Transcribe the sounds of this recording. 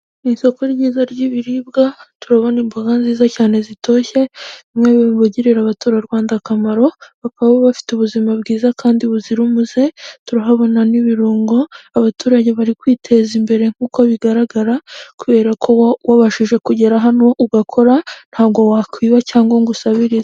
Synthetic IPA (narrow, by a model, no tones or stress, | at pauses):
niso̞ko̞ɾɟiːzaɾɟiβiɾiːbɡatuɾaβo̞nimbuɡanziːzacaːne̞zitʰo̞ːçe̞βimŋeβiβoɟiɾeɾaβatuːɾaɾwaːndakamaɾo̞βakaβaβoβafi̥tuβuzimabɡiːzakʰaːndiβuziɾumuze̞tuɾaɦaβo̞naniβiɾuːŋɡo̞aβatuːɾaɟe̞βaɾikwiːtʰe̞zimbe̞ɾe̞ŋ̥uːko̞βiɡaɾaɡaɾakuβe̞ːɾakʰo̞waβaʃiʒe̞kuɟe̞ɾaɦanoʔuɡakʰoɾan̥haːβɡo̞wakwiːβacaːŋɡo̞ŋɡusaβiɾiza